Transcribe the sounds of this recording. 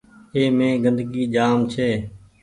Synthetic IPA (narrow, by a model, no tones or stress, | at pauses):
eːmẽːɡənd̪ɡiːd͡ʒaːmt͡ʃʰeː